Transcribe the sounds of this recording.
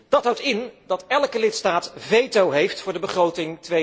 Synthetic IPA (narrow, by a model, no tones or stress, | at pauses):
d̥ɑtɦawtɪndɑtɛlˠkəlɪtstaːtvejtowɦejftfʊːɹdəbəχrowtɪŋtʋe